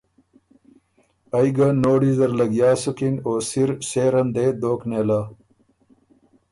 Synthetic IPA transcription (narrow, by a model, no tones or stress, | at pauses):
ɐjɡanoːɽizd̪ɐɾlɐɡjaːsukinoːsiɾɕeːɾɐnd̪ed̪oːkneːla